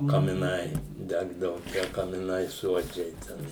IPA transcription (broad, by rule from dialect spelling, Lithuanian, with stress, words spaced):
kɐmʲɪˈnɐɪ ˈdʲæːɡdɐʋʊ tʲiɛ kɐmʲɪˈnɐɪ ˈsuɔd͡ʒʲɛɪ ˈtʲɛn